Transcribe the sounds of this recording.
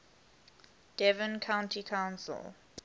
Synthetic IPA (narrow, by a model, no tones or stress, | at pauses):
d̥ɛvə̃nkʰãʊ̃ntʰikʰãʊ̃nsə̰lˠ